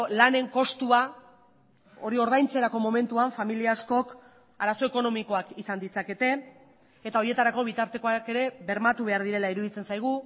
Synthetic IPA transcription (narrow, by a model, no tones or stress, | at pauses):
lane̞ŋko̞st̪ua | o̞ɾio̞ɾðajnt͡se̞ɾako̞mo̞me̞nt̪uaɱfamiliasko̞k | aɾaso̞e̞ko̞no̞miko̞akisand̪it͡sake̞t̪e̞ː | t̪ao̞ɾje̞t̪aɾako̞β̞it̪aɾt̪e̞ko̞ake̞ɾe̞βe̞ɾmat̪uβ̞e̞aɾð̞iɾe̞laiɾuðit͡se̞nsajɣ̞u